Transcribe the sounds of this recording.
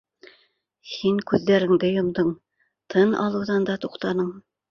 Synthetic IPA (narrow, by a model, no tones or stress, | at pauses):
hiŋkʉðːæɾɘ̆ŋd̪ɘjŏmd̪ɤɴ | t̪ʰɤnɑ̰lˠɤ̆wðɑnd̪ɑt̪uqt̪ɑnɤɴ